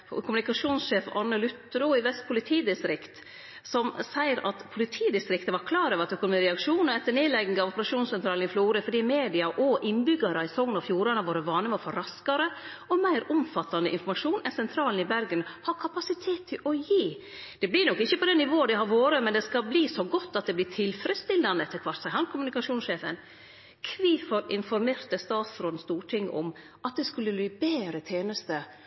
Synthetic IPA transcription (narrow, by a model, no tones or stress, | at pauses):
kʰʊmʉnɪkɑʂuːnsʂeːfɑ̰nːəlʉt̪ːɾuːɪʋɛst̪̚pʰʊlɪt̪ʰiːd̪ɪst̪ɾɪkt̪ | sɔmsæɪəɾʔɑ̰t̪pʰʊlɪt̪ʰiːd̪ɪst̪ɾɪkt̪əʋɑɾkʰlɑːɾəʋɾɑt̪œkʊnʊmiːəɾɛɑkʂuːnɔɛt̪ːəɳeːlɛɡɪŋɑʋɔpəɾɑʂuːnsɛnt̪ʰɾɑːlnɪfluːɾəfɔɖiːmeːd̪ɪɑʔɔʔɪnbʏɡɑɾəɪsɔŋːnɔfjuːɾɑnɑʋoːɾəʋɑːnəʋɑfɔɾɑskɑɾə | ɔmæɪɾʊmfɑt̪ːɑnd̪əʔɪ̰nfɔɾmɑʂuːnɛnsɛnt̪ʰɾɑːln̩ɪbæɾɡənhɑkʰɑpɑsɪt̪ʰeːt̪ʰːɪlʔɔjiː | d̪̥ɛblɪɾnɔkːɪçːəpɔd̪ɛnɪʋoːəd̪ɛhɦɑɾʋoːɾəmɛnd̪ɛskɑlbliːsɔɡɔt̪ːɑt̪̚d̪ɛblɪːʈ̪ʰɪlfɾəd̪st̪ɪld̪ɑnd̪əɛt̪ʰːɪkʰʋɑʈsæɪɦɑnkʰʊmʉnɪkɑʂuːnsʂeːfə̰n | kʰʋiːfɔɾɪnfɔɾmeːɾt̪əst̪ɑːt̪sɾɔd̪nst̪uːʈʰɪŋːɔ̰m | ʔɑt̪̚d̪ɛskʉlːəlibeːɾət̪ʰeːnəst̪ə